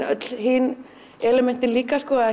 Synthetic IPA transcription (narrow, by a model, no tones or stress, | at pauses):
œ̰t̪l̥ɦiːn | ɛlɛmɛn̥t̪ɪnliːkaskɔːað